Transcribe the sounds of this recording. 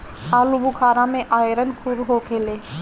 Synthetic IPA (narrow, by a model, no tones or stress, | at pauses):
aːlubukʰaːɾãmẽʔaːjɾənkʰuːbɦokʰeːleː